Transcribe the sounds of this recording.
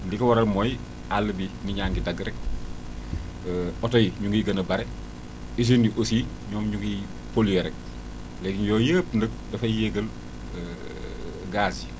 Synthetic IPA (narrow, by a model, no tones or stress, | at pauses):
ndikɐwɐɾɐlmɔj | alːəbimiɲaːŋɡidɐɡɾɛk̚ | ɔtɔjiɲuŋɡiɡɐnəbɐɾɛ | is̬iniʔosi | ɲɔːmɲuŋɡi | polijɛɾɛk̚ | lɛɡinjɔːjəpndək̚dɐfɐjjɛɡəl | ɡaːsi